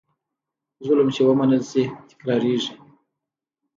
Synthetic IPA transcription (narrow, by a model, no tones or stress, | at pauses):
zʊləmt͡ʃewəmanəlsit̪ɪ̥kɾɑɾiʐi